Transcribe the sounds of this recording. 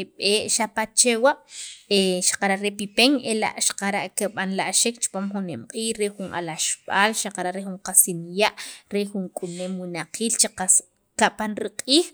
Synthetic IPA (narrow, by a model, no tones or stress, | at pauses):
eɓeːʔʃapat͡ʃewaʔeʃḁqaɾaʔɾepipeŋela̰ʔʃḁqaɾaʔkeɓanlaʔʃekt͡ʃu̥paːmxunemqʼiːxɾexuna̰laʃɓ̥aːlʃaqaɾaʔɾexuɴqasinjaʔɾexuŋkʼunemwinaqʰiːlt͡ʃeqa | kaʔpanɾiqʼiːx